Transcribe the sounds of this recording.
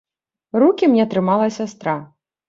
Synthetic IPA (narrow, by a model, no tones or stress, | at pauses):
ɾukʲimnʲɛt̪ɾɨmalˠɐsʲast̪ɾa